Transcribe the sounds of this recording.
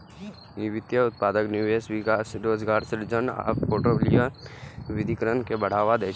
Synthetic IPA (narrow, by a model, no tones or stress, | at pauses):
ɪʋɪt̪jəʊt̪̚paːd̪əknjuːʋeːsʋɪkaːsɾoːzɡaːɾsɪɾd͡ʒəna̰ːpoːʈoblijaʋɪd̪ʱikəɾənkebəɽ̤aːʋad̪eː